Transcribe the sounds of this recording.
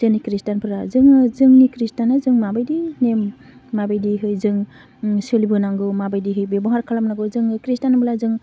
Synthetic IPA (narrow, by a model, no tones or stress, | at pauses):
zɯnikɾistanpʰɯɾazɯŋɯzɯŋnikɾistanazɯŋmabajdinemːabajdiɦɯjzɯŋ | sɯlibɯnaŋɡɯwmabajdiɦɯjbebɔŋhaɾkʰalamnaɡɯwzɯŋɯkɾistanabɯlazɯŋ